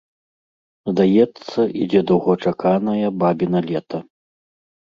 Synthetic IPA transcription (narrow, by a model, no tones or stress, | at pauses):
zd̪ajɛt̪sːɐʔid͡zʲɛd̪ɐwɣɔt͡ʂakanɐjɐbabʲinɐlʲɛt̪ʰɐ